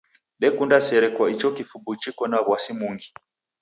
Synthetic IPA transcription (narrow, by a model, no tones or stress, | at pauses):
ɗɛkundasɛɾɛkwait͡ʃɔkifubut͡ʃikɔnaβwasimuŋɡi